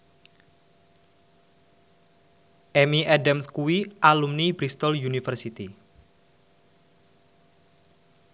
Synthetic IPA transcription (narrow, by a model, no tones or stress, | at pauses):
ʔɛmiɛdamskuwiʔalumnibɾist̪ɔljunifərsit̪i